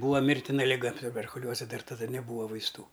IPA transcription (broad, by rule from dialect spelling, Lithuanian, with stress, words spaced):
ˈbuːɐ ˈmʲɪrʲtʲɪnɐ lʲɪˈɡɐ tʊbʲɛrkʊˈlʲuɔzʲɛ ˈdɐr tɐˈdɐ nʲɛˈbuːʋɐ ʋɐɪsˈtuː